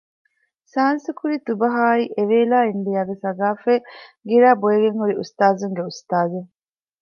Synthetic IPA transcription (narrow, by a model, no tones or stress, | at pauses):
saːnsukuɾit̪ubɐɦaːiʔeʋeːlaːinɖ̪ijaːɡesɐɡaːfeːɡiɾaːbojeɡeŋhuɾiṵst̪aːzuŋɡeust̪aːzuŋ